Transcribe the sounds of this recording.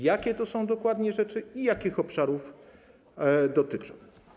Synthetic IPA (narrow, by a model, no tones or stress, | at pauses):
jakʲɛt̪ɔsɔ̃w̃d̪ɔkwad̪ɲɛʐɛt͡ʂɘijakʲixɔpʂaɾuf | d̪ɔt̪ɘt͡ʂɔ̃w̃